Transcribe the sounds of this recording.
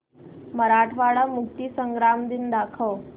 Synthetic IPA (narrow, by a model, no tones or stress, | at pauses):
məɾaʈʰʋaɭamukt̪iːsəŋɡɾamd̪ind̪akʰəʋ